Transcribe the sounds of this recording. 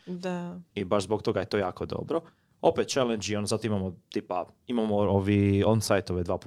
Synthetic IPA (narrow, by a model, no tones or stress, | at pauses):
d̪aibaʃzbok̚t̪o̞ɡajet̪o̞jaːko̞d̪o̞̰bɾo | o̞pet̪̚t͡ʃɛlend͡ʒionozat̪oimamot̪iːpaimamooʋionsajt̪oʋed̪ʋaːp